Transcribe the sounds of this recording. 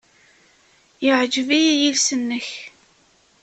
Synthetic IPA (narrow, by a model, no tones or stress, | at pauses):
jəʕd͡ʒvijijilsənːəç